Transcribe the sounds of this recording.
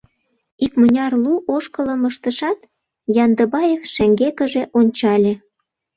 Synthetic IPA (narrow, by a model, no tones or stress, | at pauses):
ikmə̆nʲɑrluʔoʃkələ̆məʃt̪əʃɑt̪ | jɑnd̪əbɑjekʃeŋɡekə̆ʒeʔonʲt͡ɕɑlʲĕ